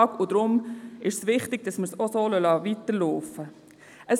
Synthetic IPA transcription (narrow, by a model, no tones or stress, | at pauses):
ɡ̥ʊdɾʊmɪʃsʋɪχtɪɡ̥̚dɑsməɾsosoːlœlɑʋitəɾloːfə | əs